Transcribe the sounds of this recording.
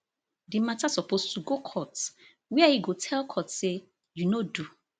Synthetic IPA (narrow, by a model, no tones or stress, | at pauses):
dimatasɔpostuɡokʰɔt | wiaiɡotʰɛlkʰɔtse | junodu